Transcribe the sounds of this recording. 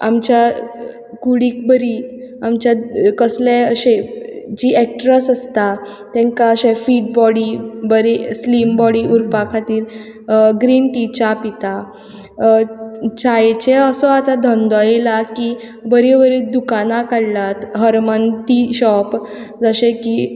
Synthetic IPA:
a̰mt͡ɕja | kuɽikbəɾi | amt͡ɕakəsleəɕed͡ʑiːɛk̚ʈɾəsəst̪a | t̪ɛ̃ŋkaəɕefiːʈ̚bɔɽibəɾeslimbɔɽiʔuɾpakʰat̪iːɾ | ɡɾinʈit͡ɕapit̪a | t͡ɕajt͡ɕeəsɔat̪ad̪ʱənd̪ɔjelaki | bəɾeʋəɾed̪ukanakaɽlat̪ɦəɾmənt̪iɕɔp | d͡zəɕeki

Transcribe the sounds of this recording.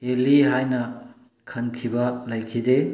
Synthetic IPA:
eliɦajnɐ | kʰɐnkʰibɐlɐjkʰide

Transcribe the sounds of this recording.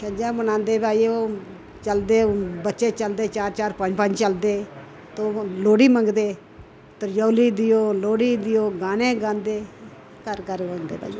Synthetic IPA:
ʃəd͡ʒãːbənãːnd̪eːbaːioː | t͡ʃəld̪eːbətːʃeːt͡ʃəld̪eːt͡ʃaːɾt͡ʃaːɾpə̃d͡ʒpə̃d͡ʒt͡ʃəld̪eː | t̪oloːɽiːmə̃ŋɡd̪eː | t̪əɾjəːliːd̪ɪjoːloːɽiːd̪ɪjoːɡaːneːɡãːnd̪eː | kəɾkəɾmə̃nd̪ḛːba̰ː

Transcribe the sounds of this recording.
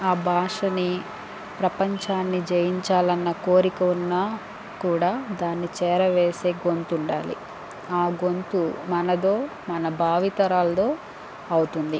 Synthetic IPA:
aːbʱaːʂɐni | pɾɐpɐɲt͡ʃaːnːid͡ʒejiɲt͡ʃaːlɐnːɐko̞ːɾikɐunːaː | kuːɽaːd̪aːnːit͡ʃɛːɾɐʋeːse̞ːɡo̞nt̪uɳɖaːlḭ | aːɡo̞nt̪umɐnɐd̪o̞ː | mɐnɐbʱaːʋit̪ɐɾaːlɐd̪o̞ː | ɐwut̪und̪i

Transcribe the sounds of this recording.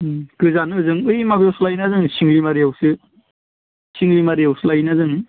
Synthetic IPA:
kɯzanɯzɯŋɯjmabjawslajnazɯŋsiŋlimaɾijawsɯ | siŋlimaɾijawsɯlajnazɯŋ

